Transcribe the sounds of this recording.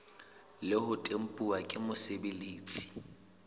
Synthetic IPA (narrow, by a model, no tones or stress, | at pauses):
lɪhʊtʼem̩pʼuakʼɪmʊsebeliːt͡sʼi̥